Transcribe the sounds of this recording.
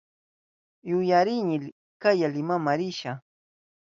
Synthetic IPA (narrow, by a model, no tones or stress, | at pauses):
jʊjaɾɪɲɪl | kajalɪmamaɾɪʃa